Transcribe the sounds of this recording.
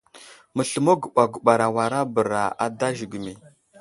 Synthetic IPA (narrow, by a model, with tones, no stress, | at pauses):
mə˨ɬə˨mo˦ɡə˨ɓa˨ɡə˨ɓa˨ɾa˨wa˨ɾa˦bə˨ɾa˨a̰˦da˦ʒi˨ɡə˨mi˨